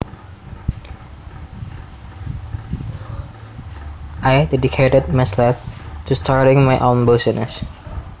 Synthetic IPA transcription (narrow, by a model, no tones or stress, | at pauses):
ʔajdɛdikʰetəd̚maslap̚tʰustʰaɹɾɪ̃ŋmajʔõnbosənə̰s